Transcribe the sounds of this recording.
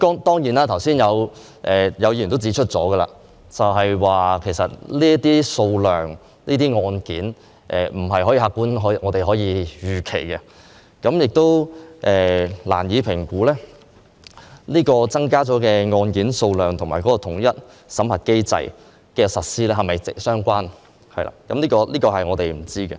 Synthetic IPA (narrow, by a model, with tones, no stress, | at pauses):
kɔː˥ŋt̪ɔː˥ŋjiː˨˩naː˦˥t̪ʰɐ˨˩wsiː˥njɐ˨˧w | ʔɛː˨jɐ˨˧wjiː˨no˥wt͡si˨˥t͡ʃʰɵ˥t̚t͡sɔː˨˥ɡə˧la̰ː˧ | t͡sɐ˨wɦɐ˨jwaː˨kʰe˨˩jsɐ˨t̚liː˥ɐ˥t̪iː˥so˧wlœː˨ŋ | liː˥t̪iː˥ŋɔː˧nkiː˨˥n | ʔɛ̰ː˨˩m̩˨˩ɦɐ˨jhɔː˨˥jiː˧˩haː˧kːuː˥nɦŋɔː˨˧t̪e˨jɦɔː˨˥jiː˨˧jyː˨˩kʰe˨˩jkɛ˧ | kɐ˨˥mjɪ˨k̚t̪o˥wʔɛː˨la̰ː˨˩njiː˨˧pʰɪ˨˩ŋkuː˨˥lɛː˥ | niː˥kɔː˧t͡sɐ˥ŋkaː˥t͡sɔː˨˥kɛː˧ŋɔː˧nkiː˨˥nso˧wlœː˨˩ŋt̪ʰʊ˨˩ŋmaː˨˩kɔː˨˥kɔː˧t̪ʰʊ˨˩ŋjɐ˥t̚ | sɐ˨˥mhɐ˨˩t̚ke˥jt͡sɐ̰˧j | kɛː˧sɐ˨t̚siː˥lɛː˥ɦɐ˨jmɐ˨jt͡sɪ̰˨k̚sœː˥ŋkʷaː˥n | hɐ˨jlʔa̰ː˧kɐ˨˥mliː˥kɔː˧liː˥kɔː˧hɐ˨jŋɔː˨˧t̪e˨jm̩˨˩t͡siː˥ɡɛ˧